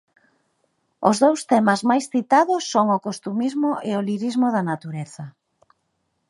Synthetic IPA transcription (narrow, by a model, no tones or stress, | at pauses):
ʊzðowst̪ɛmazmajsθit̪aðʊsːoŋʊkost̪umizmʊʔeʊliɾizmʊðɐnat̪uɾɛθɐ